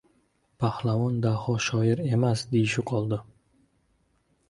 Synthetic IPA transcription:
pʰahlˠavɒnd̪ahɒʃɒjɪɾe̞masd̪ejɪʃɪqʰɒlˠd̪ɪ

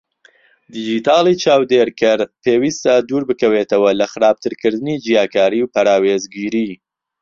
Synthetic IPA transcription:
d̪id͡ʒit̪ʰɑːlˠit͡ʃaːwd̪eɾkʰɐɾpʰeːwiːst̪ɐd̪uːɾbɨkɐwet̪ɐwɐlɐxɨɾaːb̚t̪ʰɨɾkɨɾd̪ɨnid͡ʒijaːkaːɾiwpɐɾaːweːzɡiːɾiː

